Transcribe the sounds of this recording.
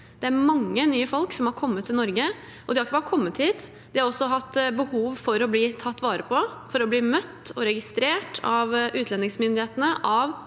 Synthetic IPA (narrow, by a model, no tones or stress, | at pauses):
d̪̥ɛæɾmɑŋːənyːəfɔlksɔmhɑɾkʰɔmːət̪ʰːɪlnɔɾɡə | ɔd̪ɪhɑɾɪkːəbɑːɾəkʰɔmːət̪hiːt̪ | d̪ɪhɑɾɔsːɔɦɑt̪ːbəhuːʋfɔɾɔbliːt̪ʰɑt̪ːʋɑːɾəpʰɔfɔɾɔbliːmœt̪ːɔɾɛɡɪst̪ɾeːʈɑʋʔʉːt̪ʰlɛnːɪŋsmʏnd̪ɪheːt̪ənəʔɑʋ